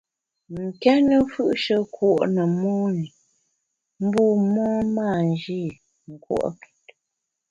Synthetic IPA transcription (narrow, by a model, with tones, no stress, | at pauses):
ŋ̩˨kɛ˦nə˦fɯ˦ʔʃə˦kwɔ˦˨ʔnə˨mɔː˦ni˨ | m̩˦buː˦˨mɔː˦maː˦˨n˨d͡ʒi˦˨ | ŋ̩˨kwɔ̰˦˨ʔki̥˨t̚